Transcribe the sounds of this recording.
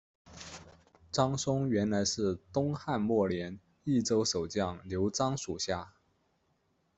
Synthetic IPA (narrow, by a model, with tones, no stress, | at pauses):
ʈ͡ʂɑ˥ŋsʊ˥ŋɥɛ˧˥nla˧˥ɪʂɻ̩˥˩t̪ʊ˥ŋxa˥˧nmwɔ˥˩ljɛ˧˥n | i˥˩ʈ͡ʂo˥ʊʂo˨˩ʊt͡ɕjɑ˥˩ŋljo˧˥ʊʈ͡ʂɑ˥ŋʂu˨˩ɕja˥˩